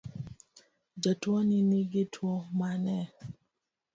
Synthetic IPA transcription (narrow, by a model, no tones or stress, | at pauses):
d͡ʒatwɔnɪniɡɪtʰwɔmanɛ